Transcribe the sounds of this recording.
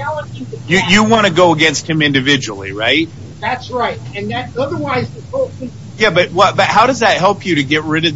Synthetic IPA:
aəjɨjɨwɑ̃ɾ̃ɨɡoʊəɡɛ̃nst̚hɨ̃mɪ̃ndɨvɪd͡ʒɨl̩ˠḭɹa̰ɪt̚ | ðætsɹaɪt̚ɨ̃nðɨɾʌðə˞waɪzɨhoʊp̚ | jæbʌt̚wʌb̥ʌt̚haʊɾʌzðɨt̚hɛlˠpʰjɨɾɨɡɛt̚ɹɪɾɨd̚

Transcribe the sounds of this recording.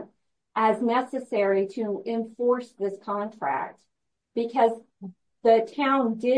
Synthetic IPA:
ʔɨznɛsɨsɛɹiɾɨɪ̃ɱfɔɹsðɪskʰɑ̃ntʰɹ̥æ̰k̚t̚ | b̥ɨkʰʌz | ðɨtʰãʊ̃ndɪ

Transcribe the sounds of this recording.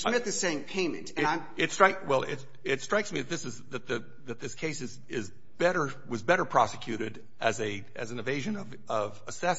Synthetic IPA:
smɪt̪̚ðɨsẽɪ̃mpʰẽɪ̃mɨ̰̃ntɨ̃nãɪ̃ | ɨtstɹ̥aɪkwɛlˠɪ̰t | ɪtstɹ̥aɪksmiðɨt̪ðɪsɨzðɨt̪̚ðɨ | ðɨt̪̚ðɪskʰeɪsɨz | ɪz | bɛɾə˞ | wʌzbɛɾə˞pʰɹ̥ɑsɨkʰj̥ʉɾɨɾ | ʔɨzɨ | ɨ̰zn̩ɨveɪʒɨ̃nʌv | ʌvəsɛs

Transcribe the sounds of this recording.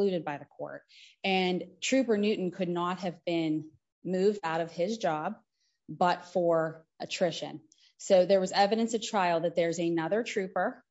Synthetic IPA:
lʉɾɨd̚baɪðɨkʰɔ̰ɹt̚ɨ̃ntʰɹ̥ʉpə˞nʉʔn̩kʰɨdⁿnət̚ɦɨvbɪ̃n | mʉvdaʊɾʌv̥ɪzd͡ʒɑb̚ | bʌtfə˞ʔɨtʰɹ̥ɪʃɨ̰̃n | soʊðə˞wʌzɛvɨɾɨ̃nsɨtʰɹ̥aɪlˠðɨt̪̚ðə˞zɨnʌðə˞tʰɹ̥ʉpə˞

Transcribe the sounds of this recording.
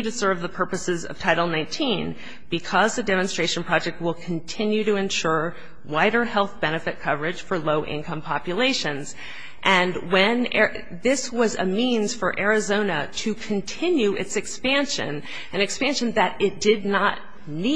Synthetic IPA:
ɾɨsɜ˞vðəpʰɜ˞pɨsɨzʌ̰v̥tʰaɪɾl̩ˠnãɪ̃ntʰĩn | b̥ɨkʰʌzðɨdɛmɨ̃n̩stɹ̥eɪʃn̩pʰɹ̥ɑd͡ʒɛk̚t̚wɪlˠkʰɨn̩tʰɪ̃njʉɾɨɨ̃nʃʊɹ | waɪɾə˞hɛlˠθb̥ɛnɨfɨt̚kʰʌvə˞ɨd̥ʒ̥fə˞loʊʔɪ̰̃nkʰʌ̃mpʰɑpjɨleɪʃɨ̃nz̥ | ʔɨ̃nwɨ̃nɛ | ðɪswʌzɨ̰mĩnz̥fə˞ʔɛɹɨzõʊ̃nɨɾɨkʰɨ̃ntʰɪ̃njʉʔɨtsɨkspæ̃nʃɨ̰̃n | ʔɨ̃nɨkspæ̃nʃɨ̃nðɨɾɪt̚d̥ɪdⁿnət̚ | ni

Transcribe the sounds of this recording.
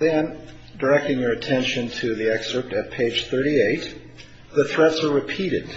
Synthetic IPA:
ðɨ̃n | də˞ɛk̚tɪ̃ŋjə˞ɨtʰɛ̃nʃɨ̃ntʰɨðiɛksə˞p̚ɾɨt̚pʰeɪd̥ʒ̥θɜ˞ɾieɪt̪̚ | ðɨθɹɛtsə˞ɹɨpʰiɾɨ̰d̥̚

